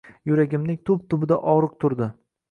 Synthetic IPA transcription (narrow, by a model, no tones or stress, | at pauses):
jʊɾaɡʲɪmnɪŋt̪ʰʊb̚t̪ʰʊbɪd̪aʔɒɾɨq̚t̪ʰʊɾd̪ɪ